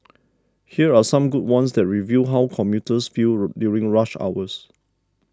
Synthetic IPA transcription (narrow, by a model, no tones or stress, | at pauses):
hiəasãmɡud̚wãnsdɛt̚ɹivjuɦawkʰɔ̃mjutəsfildjuɹĩŋɹaʃa̰ʊwəs